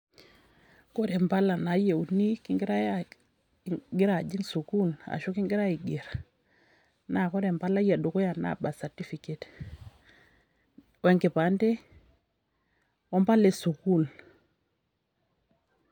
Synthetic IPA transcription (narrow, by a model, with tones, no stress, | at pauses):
ko˦ɾe˨mpa˦la˨na˨˦je˨u˨ni˦ki˦ŋɡi˦ɾa˦ | ɡi˦ɾa˨d͡ʒi˦nsu˨ku˦la̰˨ʃo˦ki˦ŋɡi˦ɾa˦i˨ɡi˨ɾ | na˨ko˦ɾe˨mpa˦la˦ja˨do˨ko˦ja˨na̰˨ba˨sa˨ɾti˦fi˨ke˨t | we˨ŋke˨pa˨˦nte˦ | ɔ˦mpa˦le˨su˨ku˦˨l